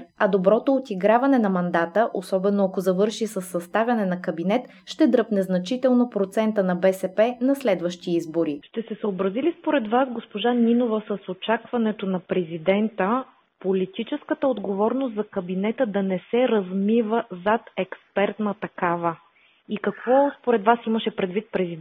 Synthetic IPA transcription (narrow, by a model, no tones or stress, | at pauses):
ɐd̪obɾɔt̪oːt̪iɡɾavɐnɛnɐmɐnd̪at̪əʔosɔbɛnːoɐkozɐvɤɾʃisəsːɐst̪avʲjɐnɛnɐkɐbinɛt̪ | ʃt̪ɛd̪ɾɤpnɛznɐt͡ʃit̪ɛlˠnopɾot̪sɛnt̪ənɐbɛsɛpɛnɐslɛd̪vəʃt̪iizboɾiʃt̪ɛsɛsəobɾɐzilispoɾɛd̪vasɡospoʒanʲinovəsəsot͡ʃakvɐnɛt̪onɐpɾɛzid̪ɛnt̪ə | polit̪it͡ʃɛskət̪əod̪ɡovɔɾnost̪zɐkɐbinɛt̪əd̪ɐnɛsɛɾɐzmivəzat̪ɛkspɛɾt̪nət̪ɐkavə | ikɐkvɔspoɾɛd̪vasiməʃɛpɾɛd̪vit̪̚pɾɛzid̪